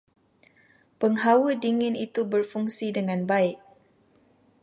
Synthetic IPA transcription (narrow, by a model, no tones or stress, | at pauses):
pəŋɦawədiŋɪnit̪ubərfuŋsidəŋãnbaɪʔ̚